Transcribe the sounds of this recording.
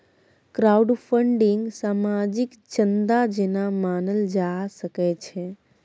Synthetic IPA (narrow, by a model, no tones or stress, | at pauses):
kɾauɖfʰəɳɖɪŋɡsamad͡ʒik | t͡ʃənd̪ad͡ʒenamanəld͡ʒasəket͡ʃʰe